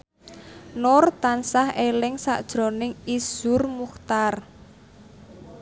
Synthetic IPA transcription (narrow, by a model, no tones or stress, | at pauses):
nʊrt̪ansahelɪŋsaʔd̥ʒ̥ɾo̤nɪŋiz̥ʊrmuxt̪ar